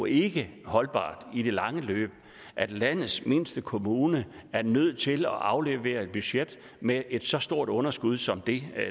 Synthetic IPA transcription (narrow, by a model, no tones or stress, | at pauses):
e̝ɡ̥əhɒ̽lb̥ɑ̰̈ːd̥id̥e̝lɑ̈ŋəlø̰ːb̥ | ʔæd̥læn̰ð̩ˠsme̝nsd̥əkʰo̝muːnəæɐnøð̞̰ˠt͡sʰe̝lɒ̽ʔɑ̈ʊleʋḛːɐe̝d̥̚b̥yɕed̥ | meʔe̝d̥sɒ̽sd̥o̝ɐ̰d̥ɔ̽nɐsɡ̥uð̞ˠsɒ̽md̥e̝